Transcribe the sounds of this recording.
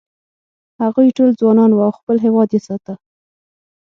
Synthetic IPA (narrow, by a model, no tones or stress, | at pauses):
haɣujʈold͡zwɑnɑnwawxpəlɦewɑd̪jesɑt̪a